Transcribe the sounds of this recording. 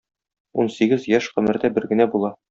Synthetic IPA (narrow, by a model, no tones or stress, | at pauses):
unsiɡɘzjæʃqɵ̆mɘ̆ɾd̪æbɘɾɡɘ̆næbulˠɑ